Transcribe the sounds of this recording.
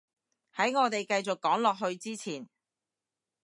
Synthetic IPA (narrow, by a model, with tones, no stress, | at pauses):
hɐ˨˥jŋɔː˨˧t̪e˨jkɐ˧jt͡sʊ˨kːɔː˨˥ŋlɔː˨k̚ɦɵ˧ɥt͡siː˥t͡sʰiː˨˩n